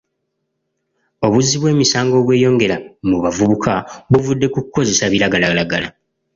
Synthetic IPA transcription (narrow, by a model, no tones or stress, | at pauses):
o̞βuziβwe̞ːmisaːŋɡo̞ːβwe̞ːjo̞ːŋɡe̞ɾamuβavuβukʰaβuvudːe̞kukuko̞ze̞saβiɾaɡalalaɡala̰